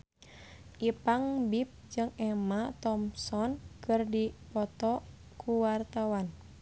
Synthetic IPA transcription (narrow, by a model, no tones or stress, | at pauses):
ʔipaŋbip̚d͡ʒɨŋɛmat̪ɔmsɔnkɨrdipɔt̪ɔ | kʰuwart̪awan